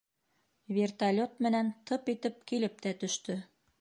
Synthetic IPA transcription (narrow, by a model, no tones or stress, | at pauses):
βʲert̪alʲot̪mɘ̆nænt̪ɤpit̪ɘp̚kilɘp̚t̪æt̪ɵ̆ʃt̪ɵ